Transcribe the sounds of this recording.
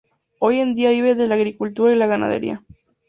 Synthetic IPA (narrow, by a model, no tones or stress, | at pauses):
ojend̪iaβiβeðelaɣɾikult̪uɾaelaɣana̰ð̞ḛɾḭa̰